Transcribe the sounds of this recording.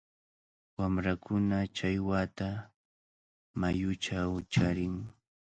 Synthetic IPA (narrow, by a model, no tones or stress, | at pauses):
wamɾakʰʊnat͡ʃajwat̪a | majʊt͡ʃawt͡ʃaɾɪŋ